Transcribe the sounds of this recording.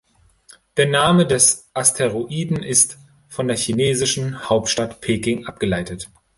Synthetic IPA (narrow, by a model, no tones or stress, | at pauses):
d̥eːɐnaːmədɛsʔastʰeʁoʔiːdn̩ʔɪst | fɔndeːɐçineːzɪʃn̩haʊp̚tʃtatpʰeːkɪŋʔap̚ɡ̥əlaɪtət